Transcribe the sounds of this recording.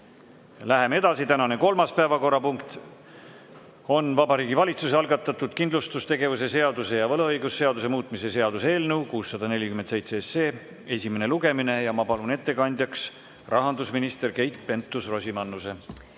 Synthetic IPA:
læɦe̞mee̞d̪ɑsit̪ænɑne̞ko̞lmɑspæevɑko̞rːɑpuŋkt̪ | o̞nvɑbɑɾiːɡivɑlʲit̪suseɑlɡɑt̪ːˑɑt̪ːˑud̪̥kind̪lust̪ust̪e̞ɡe̞vus̬e̞se̞ɑd̪̥use̞jɑvɤlɤɤjɡusːe̞ɑd̪us̬e̞muːt̪ˑmise̞se̞ɑd̪̥useːlnewkuːsːɑd̪̥ɑne̞lʲikymensejt̪se̞esːe̞ː | e̞sʲime̞ne̞luɡ̥e̞mine̞jɑmɑpɑlune̞t̪ːe̞kɑnʲd̪̥ʲjɑks | rʔɑɦɑnd̪usminist̪e̞rke̞jt̪ˑpe̞nt̪ːˑusro̞sʲimɑnːuse̞

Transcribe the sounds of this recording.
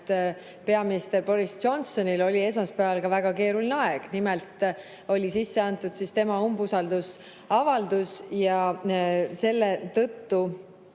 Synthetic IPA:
t̪ | pe̞ɑminist̪e̞rbo̞ɾist͡ʃo̞nso̞nilo̞lʲie̞s̬mɑspæɑlkɑvæɡ̥ɑke̞ːɾulʲineɑeɡ̥nimɛlt̪ˑ | o̞lʲisisːeɑnt̪ːˑud̪sist̪e̞mɑumbusɑld̪us | ɑvɑld̪̥usjɑ | se̞lːet̪ɤ̞t̪ːu

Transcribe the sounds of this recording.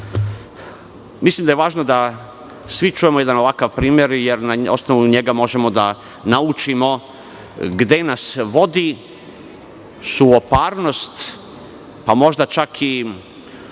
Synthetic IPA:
mislˠimd̪ajeʋaːʒnod̪a | sʋit͡ʃuje̞moje̞d̪ano̞ʋakaʋpɾiːmje̞ɾjeɾnao̞̰sno̞ʋuɲeɡamo̞ʒe̞mo̞d̪a | naut͡ʃimo̞ | ɡd̪e̞nasʋo̞d̪i | suopaːɾno̞st̪ | pamo̞ʒd̪at͡ʃakʰi

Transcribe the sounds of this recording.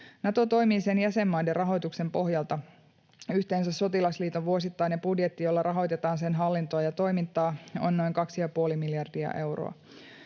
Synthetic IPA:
nɑt̪o̞t̪o̞jmiːse̞njæse̞mːɑjde̞rɑɦo̞jt̪ukse̞mpo̞ɦjɑlt̪ɑ | yht̪e̞ːns̬æsso̞t̪ilɑsliːt̪oʋʋuo̞sit̪ːɑjnːepudjet̪ːijo̞lːɑɾʔɑɦo̞jt̪et̪ɑːnse̞nɦɑlːint̪oɑjɑt̪o̞jmint̪ːˑɑːo̞̰nːo̞iŋkɑksijɑpuolimiljɑrdiɑ̰ʔe̞wro̰ɑ̰

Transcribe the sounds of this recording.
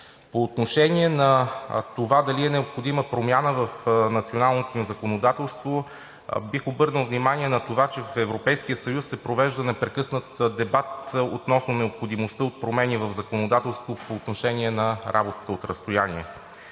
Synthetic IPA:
poːt̪noʃɛnʲiɛnɐt̪ovad̪ɐliɛnɛopxod̪iməpɾomʲjanəvəfnɐt̪sionalˠnot̪onizɐkonod̪at̪ɛlˠst̪vo | bixobɤɾnəlˠvnimaniɛnɐt̪ovat͡ʃɛvfɛvɾopɛjskijəsəjusːɛpɾovɛʒd̪ənɛpɾɛkɤsnət̪d̪ɛbat̪ot̪nɔsnonɛopxod̪imost̪əot̪̚pɾomɛnivɐvzɐkonod̪at̪ɛlˠst̪vopoːt̪noʃɛniɛnɐɾabot̪ə̥t̪əot̪ɾəst̪ojaniɛ

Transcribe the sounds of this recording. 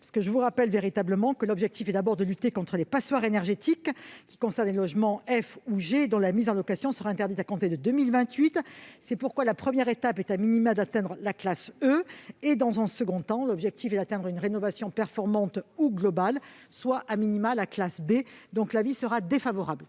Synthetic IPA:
pasə̥kəʒəvuʁapɛlveʁit̪abləmɑ̃kəlɔbʒɛk̚t̪ifɛd̪abɔʁd̪əlyt̪ekɔ̃t̪χəlepaswaʁenɛʁʒet̪ʰikːʲi̥kɔ̃sɛʁnlelɔʒmɑ̃ɛfuʒed̪ɔ̃lamizɑ̃lɔkasjɔ̃səʁaɛ̃t̪ɛʁd̪it̪akɔ̃t̪ed̪əd̪ømilvɛ̃t̪ɥit̪sɛpuʁkwalapχəmjɛʁet̪apɛt̪aminimad̪at̪ɛ̃d̪ʁəlaklasøed̪ɑ̃zɛ̃səɡɔ̃t̪ɑ̃lɔbʒɛk̚t̪ʰifɛd̪at̪ɛ̃d̪ʁynʁenɔvasjɔ̃pɛʁfɔʁmɑ̃t̪uɡlɔbalswaʔaminimalaklasbed̪ɔ̃klavisəʁad̪efavɔʁabl

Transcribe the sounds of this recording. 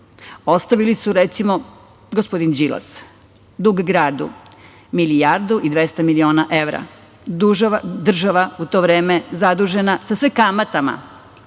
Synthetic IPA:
o̞st̪aʋilisuɾet̪simo̞ | ɡospo̞d̪ind͡ʒila̰s | d̪uɡɡɾaːd̪ṵ | milijaɾd̪uʔid̪ʋe̞st̪amilio̞ːnaʔeʋɾa̰ | d̪uʒd̪r̩ʒaʋaut̪o̞ʋɾe̞ːme̞zad̪uʒe̞nasasʋekamat̪ama̰

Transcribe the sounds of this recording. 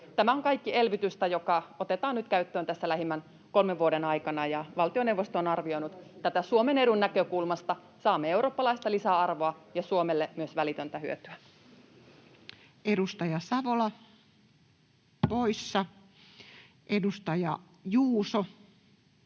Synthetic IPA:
t̪æmæoŋkɑikːie̞lʋit̪yst̪æjokɑot̪et̪ɑːnyt̪kæyt̪ːøːnt̪æsːælæɦimːæn | kolmeʋʋuodenɑikɑnɑjɑʋɑlt̪ionewʋːost̪onɑrʋio̞inut̪t̪æt̪æsuomene̞ɾunːækøkulmɑst̪ɑ | sɑːmːeeuroːpːɑlɑist̪ɑlisæɑrʋoɑjɑsuomelːemyøsʋælit̪ønt̪æhyøt̪yæ | edust̪ɑjɑsɑʋolɑ | poisːɑ | ʔedust̪ɑjɑ | juːso

